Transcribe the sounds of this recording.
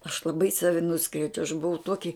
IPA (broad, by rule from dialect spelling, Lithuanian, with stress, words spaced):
ɐʃ lˠɐˈbɐɪ ˈsɑːʋʲɪ ˈnʊskrʲɛʊd͡ʒʲɛʊ ɐʃ bʊˈʋɐʊ ˈtuɔkʲɪ